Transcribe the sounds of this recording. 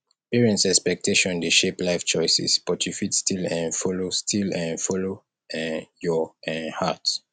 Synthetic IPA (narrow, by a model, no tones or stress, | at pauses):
piɹɛ̃ntsɛkspɛk̚tʰeʃɔ̃ndeʃeplaɪft͡ʃɔjsḭsb̥ɔtʰjufitstʰilɛ̃nfɔlostʰilɛ̃nfɔlo | ɛ̃njɔʔɛ̃nha̰t